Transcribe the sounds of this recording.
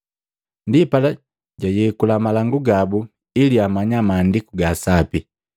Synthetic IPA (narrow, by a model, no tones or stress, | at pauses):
ndipala | ɟajɛkulamalaŋɡuɡabu | iliamaɲamaːndikuɡaːsapi